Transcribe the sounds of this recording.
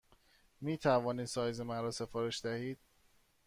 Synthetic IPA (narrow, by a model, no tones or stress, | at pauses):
miːt̪ʰævɒːniːd̪sɒːjzemænɾɒːse̞fɒːɾeʃd̪æhiːd̪̥̚